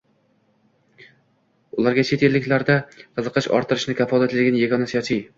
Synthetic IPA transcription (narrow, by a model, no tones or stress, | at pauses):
ʊlˠaɾɡʲat͡ʃʰet̪ʰe̞lːɪkʲlaɾd̪aqʰɨzɨqʰɨʃɒ̰ɾt̪ʰɨɾɪʃnɪkʰʲafɒlˠat̪lɪɡʲɪnjeɡʲɒnasjɒt͡ʃʰij